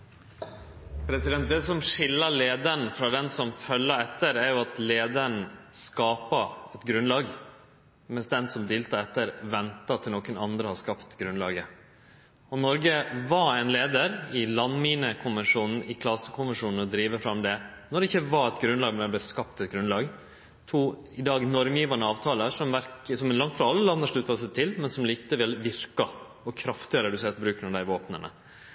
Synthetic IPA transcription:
pʰɾɛsɪd̪ɛnt̪̚d̪ɛːsɔmʂɪlːəleːd̪əɳfɾɑːd̪ɛnsɔmfœlːəɛt̪ːəɾæɾjʊɑt̪leːd̪əɾn̩skɑːpəɛt̪ɡɾʉnlɑːɡ | mɛnsd̪ɛnsɔmd̪eːlt̪ɑɛt̪ːəɾʋɛnt̪ɑt̪ʰɪlnɔːkənɑnd̪ɾəhɑʂkɑpt̪ɡɾʉnlɑːɡə | ɔnɔɾɡəʋɑɛɪnleːd̪əɾɪlɑnmiːnəkʰʊnʋɛnʂuːnn̩ɪkʰlɑsəkʰʊnʋənʂuːnn̩ɔd̪ɾiːʋəfɾɑmd̪ɛ | nɔɖɛɪçːəʋɑɛt̪ɡɾʉnlɑːɡmɛnɛb̪lɛskɑpt̪ɛt̪ɡɾʉnlɑːɡ | t̪ʰuː | ɪd̪ɑːɡnɔɾmjiːʋɑnəɑːʋt̪ʰɑːləʂɔmʋæɾksɔmlɑŋt̪fɾɑɑlːəlɑnd̪əʂɭʉt̪ːɑsɛt̪ʰɪlmɛnsɔmliːt̪əʋɪlʋɪɾkɑ | ɔkʰɾɑft̪ɪɑɾəd̪ʉseːt̪bɾʉːknɑd̪æɪʋoːpnənə̰

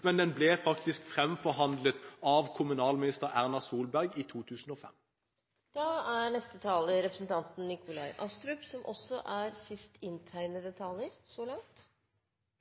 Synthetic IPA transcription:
mɛnd̪ɛnblɛfɑkt̪ɪskfʁɛmfɔʁɦɑnd̪lət̪ɑːʋkʰʊmʉnɑːlmɪnɪst̪əʁæʁnɑsuːlbæʁɡiːt̪ʰuːt̪ʰʉːsn̩oːfɛ̰m | d̪̥ɑæɾɳɛst̪ət̪ʰɑːləɾɛpɾəsnt̪ʰɑnt̪n̩ːɪkʊlɑɪʔɑst̪ɾʉpsɔmʔɔsːɔʔæɾsɪst̪ɪnt̪ʰæɪnəd̪ɛt̪ʰɑljəɾsoːlɑŋt̪

